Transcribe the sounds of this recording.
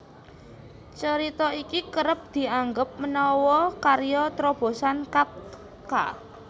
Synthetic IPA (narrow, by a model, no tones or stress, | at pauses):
t͡ʃəɾit̪ɔikikəɾəp̚d̪̥i̤aŋɡəp̚mənɔwɔkaɾjɔt̪ɾɔb̥o̤sankap̚ | ka̰